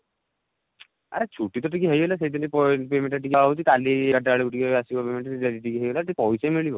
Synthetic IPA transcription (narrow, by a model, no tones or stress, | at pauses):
a̰ɾet͡ʃʰuʈit̪ɔʈikiɦəjbɔlaseid̪ʰinipɔpemeɳʈaʈikiaɦut͡ʃʰit̪aliɡaʈaɭiuʈikiasibɔpemeɳʈat̪iediʈikiɦəjbelat̪ipɔjsemiɭibɔ